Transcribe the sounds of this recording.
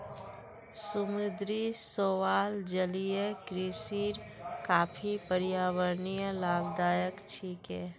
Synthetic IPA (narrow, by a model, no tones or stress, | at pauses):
sʊmʊd̪ɾisoːwaːld͡ʒəlijekɾiːsiːɾ | kaːpʰipəɾɪjaːwəɾnijəlaːbd̪aːjəkt͡ʃʰiːkɛː